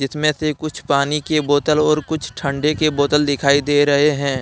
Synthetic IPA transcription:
d͡ʒɪsmẽsekʊt͡ʃʰpaːnikeboːt̪əlɔːɾkʊt͡ʃʰʈʰə̃ɳɖekeboːt̪əld̪ɪkʰaːid̪eːɾɐɦeɦɛ̃ː

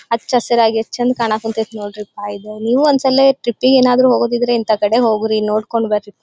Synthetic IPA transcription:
ɐt͡ʃɐsɐɾaːɡiɐt͡ʃːɐnd̪kaːɳaːkunt̪et̪noːɽɾipaːjid̪eniːʋuɐnd̪sɐlːeʈɾipːiɡe̞ːnaːd̪ɾuɦoːɡod̪id̪ɾeint̪akɐɽe̞ɦo̞ːɡɾino̞ːɽko̞ɳɖbeɾit̪ː

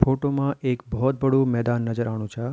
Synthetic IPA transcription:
foʈomãʔekbʱɔɔt̪̚bəɽũmɛd̪anːəd͡ʒəɾaɽ̃ũt͡ʃʰa

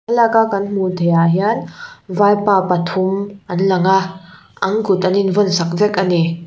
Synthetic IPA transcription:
alakakɐnm̥ut̪ʰɐjaɦjanvajpapatʰumɐnlɐŋa | ʔɐŋkut̪ɐninvɔnsak̚vɛkɐni

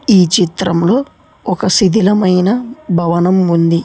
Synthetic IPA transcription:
iːt͡ʃit̪ɾɐmlo̞ː | ɔkɐsid̪ʱilɐmɐjnɐbʱɐʋɐnɐmund̪i

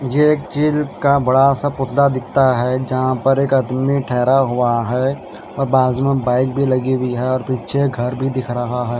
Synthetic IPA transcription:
jeeːk̚t͡ʃiːlkabɐɽasapʊt̪ʰlad̪ɪkʰt̪aɦɛd͡ʒɐɦãpɐɾeːkɐd̪miʈʰɛːɾaɦʊaɦɛ | ɔːɾbaːzmẽbaːɪk̚bʱilɐɡiwiɦɛɔːɾpiːtːʃʰeɡʱɐɾbʱid̪ɪkʰɾɐɦaɦɛː

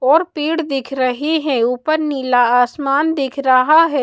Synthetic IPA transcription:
ɔːɾpiːɽd̪ɪkʰɾɐɦiɦɛuːpəɾniːlaaːsmaːnd̪ɪkʰɾɐɦaɦɛː

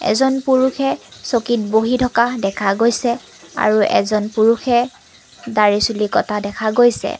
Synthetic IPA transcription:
ɛ̰zɔnpuɹuxʰɛsokitboɦitʰɔkadɛkʰaɡojsɛ | a̰ɹuʔɛ̰zɔnpuɹuxɛ | daɹisulikɔtʰadɛkʰaɡojsɛ̰

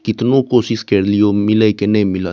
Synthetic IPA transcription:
kɪt̪nokoːsɪskɐɾlijomɪlekenɛ̃ĩmɪla

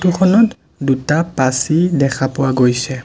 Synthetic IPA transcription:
tukʰɔnɔt | dutapasidɛkʰapʊwaɡojsɛ

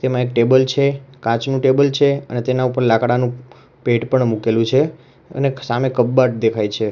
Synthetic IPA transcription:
t̪emãek̚ʈebəlt͡ʃʰekãt͡ʃnũʈebəlt͡ʃʰeə̰net̪enaupəɾlakɽanũ | peʈpəɳmukelũt͡ʃʰe | ə̰nesamekəbːaʈ̚d̪ekʰajt͡ʃʰe

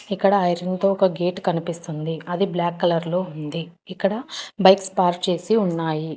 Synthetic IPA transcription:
ikːɐɽɐjɐɾɐnt̪oːɔkɐɡeːʈkɐnipist̪und̪iɐd̪iblaːkːɐlɐɾloːund̪iː | kːɐɽɐbɐjkspaːɾt͡ʃe̞ːsiuɳːaːji

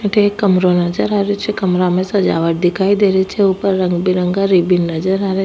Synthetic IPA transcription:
ʈʰekːəmɾonəd͡ʒəɾaːɾet͡ʃʰekəmɾamẽsɐd͡ʒa̰ːʋəʈ̚d̪ɪkʰaːid̪eːɾet͡ʃʰeupəɾːə̃ŋɡbiɾə̃ŋɡaɾibinːɐd͡ʒəɾaɾe

